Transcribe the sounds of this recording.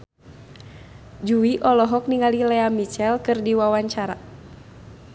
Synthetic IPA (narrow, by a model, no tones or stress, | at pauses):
d͡ʒuiʔɔlɔɦɔk̚niŋalilɛamit͡ʃɛlkɨrdiwawaɲt͡ʃaɾa̰